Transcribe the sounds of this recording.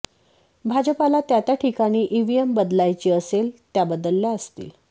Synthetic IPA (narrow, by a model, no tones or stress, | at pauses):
bʱad͡ʑəpalat̪jat̪jaʈʰikaɽ̃iːʔiʋiembəd̪lajt͡ɕiːəselt̪jabəd̪əlːjaəst̪ḭːl